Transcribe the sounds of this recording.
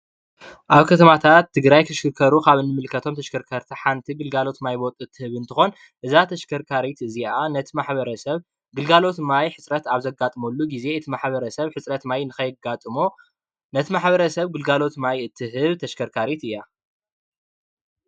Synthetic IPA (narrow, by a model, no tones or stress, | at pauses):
ʔaβkʰɐt̪ʰɐmat̪ʰat̪ʰːɨɡɾajkʰɐʃkɨɾkʰɐɾukʰaβɨnːɨmɨlkʰɐt̪ʰomt̪ʰɐʃkʰɐɾkʰɐɾt̪ʰiħant̪ʰiɡɨlɡalo̞t̪majbot̪ʼuɨt̪ʰːɨhɨβɨnt̪ʰɨxo̞n | ʔɨzat̪ʰɐʃkʰɐɾkʰaɾit̪ɨzianɐt̪ʰimaħβɐɾɐsɐβ | ɡɨlɡalo̞t̪majħɨt͡sʼɾɐt̪aβzɐɡat̪ʼɨmolːuɡize̞ɨt̪ʰimaħβɐɾɐsɐβħɨt͡sʼɾɐt̪majnɨkɐjɨɡat̪ʼɨmo | nɐt̪ʰimaħbɐɾɐsɐβɡɨlɡalo̞t̪majɨt̪ʰːɨɦɨβt̪ʰɐʃkʰɐɾkʰaɾit̪ɨjːa